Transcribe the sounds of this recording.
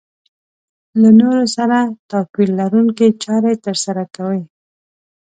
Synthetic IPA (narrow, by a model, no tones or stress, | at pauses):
lanoɾosaɾat̪ɑkwilːaɾuŋket͡ʃɑɾajt̪əɾsaɾakawəj